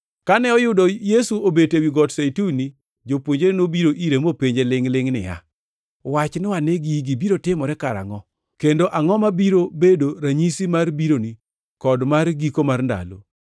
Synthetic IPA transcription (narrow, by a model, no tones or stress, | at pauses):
kanɛɔjʊdɔjesuobetewiɡɔtsajtuni | d͡ʒopwoɲd͡ʒenobiɾoʔiɾemopeɲd͡ʒelɪŋlɪŋnɪ̰ja̰ | wat͡ʃnɪwaneɡiɡibiɾotɪmɔɾɛkaɾa̰ŋɔ | kendoʔaŋɔmabiɾobedoɾaɲisimarbiɾoni | kɔdmarɡikomarnda̰lo̰